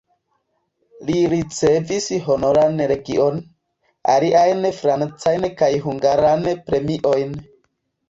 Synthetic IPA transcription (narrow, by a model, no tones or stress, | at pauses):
liɾit͡se̞visɦo̞no̞ɾanɾe̞ɡḭʔo̞n | a̰liʔajnfɾant͡sajnkajɦuŋɡaɾanpɾe̞miʔojn